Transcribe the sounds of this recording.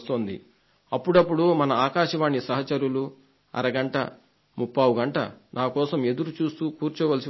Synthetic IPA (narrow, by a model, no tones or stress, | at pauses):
st̪oːnd̪ḭ | ɐpːuɽɐpːuɽumɐnɐaːkaːʃɐʋaːɳːisɐɦɐt͡ʃɐɾulu | ɐ̰ɾɐɡɐɳʈɐ̰ | mupːɐːʋuɡɐɳʈɐ̰nʔaːkɔːsɐme̞d̪uɾut͡ʃuːst̪uːkuːɾt͡ʃuːʋɐlɐs̬i